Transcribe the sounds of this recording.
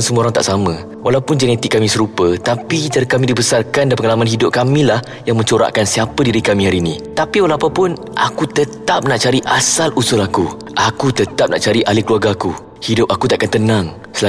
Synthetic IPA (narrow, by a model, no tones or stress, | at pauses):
nsəmũoɾaŋt̪a̰ʔsamə̃ | walawpʊnd͡ʒɛnɛt̪ɪkːamĩsəɾupət̪apit̪aɾəkamĩdibəsarkandampəŋalamanɦidʊp̚kamĩlah | jaŋmə̃ɲt͡ʃoɾa̰ʔkansiapədiɾikamĩɦaɾinĩt̪apiwalaapapʊn | ʔa̰kut̪ət̪ap̚naʔt͡ʃaɾiʔasalusʊlaku | ʔakut̪ət̪ap̚na̰ʔt͡ʃaɾiʔalɪkəluarɡaaku | hidʊp̚akut̪aʔakant̪ənãŋ | səla